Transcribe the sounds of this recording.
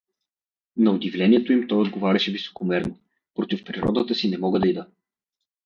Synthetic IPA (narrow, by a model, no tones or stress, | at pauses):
nɐʊd̪ivlʲɛniɛt̪oimt̪ɔjod̪̚ɡovaɾʲɛʃɛviso̥komɛɾno | pɾot̪ifpɾiɾɔ̰d̪ət̪əsinɛmɔɡəd̪ɐid̪ə